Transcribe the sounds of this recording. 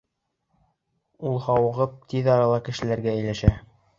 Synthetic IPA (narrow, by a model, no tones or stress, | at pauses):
ulˠhɑwɤ̆ʁɤp̚t̪ʰiðɑɾɑlˠɑkɘ̆ʃɘ̆læɾɡæ̆ːjlæʃæ